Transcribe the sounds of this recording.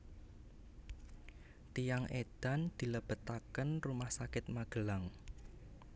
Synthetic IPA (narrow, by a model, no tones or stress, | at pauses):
t̪ijaŋʔed̪̥a̤nd̪̥i̤ləb̥ə̤t̪akənrumahsakɪt̪̚maɡ̥ə̤laŋ